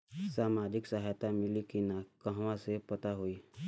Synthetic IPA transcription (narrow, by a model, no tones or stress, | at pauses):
saːmaːd͡ʒɪksəɦajt̪amɪlikinakəɦʋãsepɐt̪aɦoiː